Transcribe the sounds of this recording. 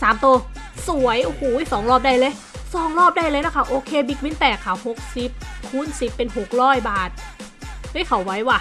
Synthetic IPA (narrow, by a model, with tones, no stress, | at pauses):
saː˨˩˦mt̪uː˧ | su˨˩˦əjʔu˧huː˨˩˦sɔː˩˦ŋɾɔː˥˩p̚da˧jlɤː˧j | sɔː˨˩˦ŋlɔː˥˩p̚da˧jlɤː˧jna˧˥˩kʰa˥˩ʔoː˧kʰeː˧bi˨˦˥k̚wi˦˥nt̪ɛː˨˩kʰːa˧˩who˨˩k̚si˨˩p̚kʰuː˧˥˩nsi˨˩pːe˧nho˨˩k̚ɾɔː˥˩jbaː˨˩t̪̚ | hɯ˦˥˨kʰa˨˦wːa˦˥jwaː˧˩